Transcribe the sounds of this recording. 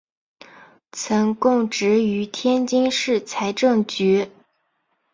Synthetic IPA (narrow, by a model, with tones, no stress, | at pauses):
t͡sʰɤ˧˥ŋkʊ˥˩ŋʈ͡ʂɻ̩˧˥y˧˥t̪ʰjɛ˥nt͡ɕi˥ŋʂɻ̩˥˩t͡sʰa˧˥ɪʈ͡ʂɤ˥˩ŋt͡ɕy˧˥